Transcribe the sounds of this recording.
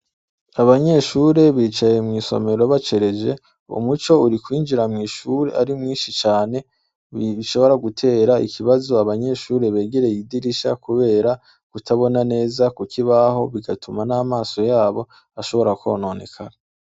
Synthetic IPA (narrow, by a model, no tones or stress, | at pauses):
aβaɲe̞ʃuːɾe̞βiːt͡ʃajemŋiːso̞̰me̞ɾoβat͡ʃe̞ɾe̞d͡ʒe̞ | ṵmut͡ʃo̞uɾikwiːnd͡ʒiɾamŋiːʃuːɾe̞̰ʔaɾimŋiːnʃit͡ʃaːne̞ | iʃo̞βo̞ɾaɡutʰe̞ːɾaḭkʰiβazo̞aβaɲe̞ʃuːɾe̞βe̞ːɡeɾe̞jidiɾiʃa̰kuβe̞ːɾa | kutʰaβo̞nane̞ːzakukʰiβaɦo̞βiɡatumanaːmaːso̞jaːβo̞ | aʃo̞βo̞ɾako̰no̞ːne̞̰kʰaɾa